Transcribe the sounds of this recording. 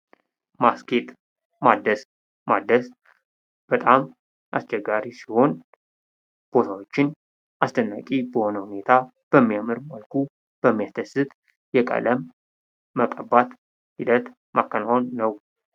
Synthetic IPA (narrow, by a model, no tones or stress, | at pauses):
maskʰet̪ | mad̪əs | mad̪ːəs | b̥ət̪ʼam | ʔast͡ʃɛɡːaɾisiho̞n | b̥o̞t̪ʰawo̞t͡ʃːɪn | ʔast̪ʰənːa̰kʼibəho̞nəhune̞t̪ʰa | b̥əmːijamɨɾməlkʰu | b̥əmːijast̪ʰəsɨt̪ | jɛkʼə̰ləmː | əkʼəbat̪ | hid̪ət̪ | mʔakʰːənaonːəw